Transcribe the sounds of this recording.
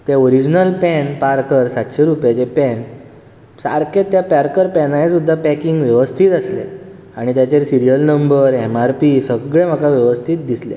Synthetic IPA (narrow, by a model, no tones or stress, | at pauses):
t̪eoɾid͡ʑnəlpɛnpaɾkəɾsat̪ɕeɾupet̪epɛn | sa̰ɾket̪japaɾkəɾpɛnajesud̪ʱːapɛkiŋɡʋjəʋəst̪ʰiːt̪əslḛ | aɽ̃it̪jat͡ɕeɾsiɾijəlnəmbəɾɛmaɾpisəɡɭẽm̤əkaʋjəʋəst̪ʰiːt̪̚d̪islḛ